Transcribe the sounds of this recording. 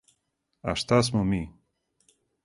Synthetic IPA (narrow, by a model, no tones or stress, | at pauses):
a̰ʂt̪as̬mumi